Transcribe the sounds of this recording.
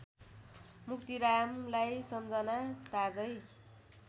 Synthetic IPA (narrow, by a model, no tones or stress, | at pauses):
muk̚t̪iɾamlajsʌmd͡zʌnat̪ad͡zʌj